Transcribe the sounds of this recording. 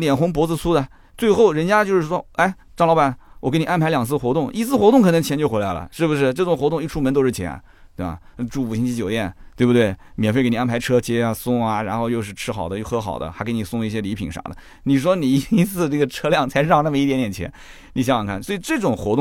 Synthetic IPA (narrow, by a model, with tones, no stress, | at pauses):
ljɛ˨˩nxʊ˧˥ŋp̬wɔ˧˥t͡sɹ̩˧su˥d̪ə˨ | t͡swe˥˧ɪxo˥˩ʊɻə˧˥nt͡ɕja˥t͡ɕjo˥˧ʊʂɻ̩˥˩ʂwɔ˥a˥˩ɪ | ʈ͡ʂɑ˥˩ŋlɑ˥ʊa˨˩˦nwɔ˨˩ke˧˥ɪni˨˩a˥npʰɪljɑ˨˩ŋt͡sʰɹ̩˥˩xwɔ˧˥t̪ʊ˥˩ŋi˧˥˧t͡sʰɹ̩˥˩xwɔ˧˥t̪ʊ˥˩ŋkʰɤ˨˩nɤ˧˥ŋt͡ɕʰjɛ˧˥nt͡ɕjo˥˧ʊxe˧˥la˧˥ɪlə̰˧ʂɻ̩˥˩bu˩ʂɻ̩˥˩ʈ͡ʂɤ˥˩ʈ͡ʂʊ˨˩ŋxwɔ˧˥t̪ʊ˥˧ŋi˥˩ʈ͡ʂʰu˥˩mə˧nt̪o˥ʊʂɻ̩˥˩t͡ɕʰjɛ̰˧˥n̰˧ | t̪we˥˩ba̰˨˩˥ʈ͡ʂu˥˩pu˨˩ɕi˥t͡ɕʰi˥t͡ɕjo˨˩ʊt̪jɛ˥˩nt̪we˥˩bu˩t̪we˥˩ɪmjɛ˨˩nfe˥˩ke˧˥ni˩a˥˩pʰɪʈ͡ʂʰɤ˥t͡ɕjɛ˥a˧sʊ˥ŋɐ˩ɻa˧˥nxo˥˧ʊjo˥˧ʊʂɻ̩˥˩ʈ͡ʂʰɻ̩˥xɑ˨˩ʊə˦jo˥˧ʊxɤ˧˥xɑ̰˨˩ʊd̪ə̰˦xa˧˥ke˧˥ɪni˨˩sʊ˥˧ŋi˥˩ɕ̬jɛ˥li˧˥pʰḭ˨˩ŋʂɑ̰˨˩d̪ə̰˦ | ni˨˩ʂ̬wɔ˥ni˨˩i˧˥i˧˥t͡sʰɹ̩˥˧ʈ͡ʂɤ˥˩ɡə˩ʈ͡ʂʰɤ˥ljɑ˥˩ŋt͡sʰa˧˥ʂ̩˥˧˥ɑ˥˧ŋna˥˩mə˧i˥t̪jɛ˧˥nt̪jɛ˨˩t͡ɕʰjɛ̰˧˥n | ni˨˩ɕ̬jŋɑ˨˩ŋkʰa˥˩nswɔ˧˥i˨˩ʈ͡ʂɤ˥˩ʈ͡ʂʊ˨˩ŋxwɔ˧˥t̪ʊ˥˩